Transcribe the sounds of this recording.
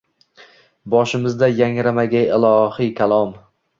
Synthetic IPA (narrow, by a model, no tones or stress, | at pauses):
bɒʃɪmɪzd̪ajaŋɾamaɡʲaɪlˠɒhikʲʰalˠɒm